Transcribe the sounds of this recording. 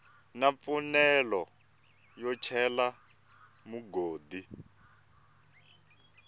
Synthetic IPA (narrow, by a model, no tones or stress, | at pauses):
nap̪fɔnɛlɔ | jɔt͡ʃʰɛla | muɡoːd̪i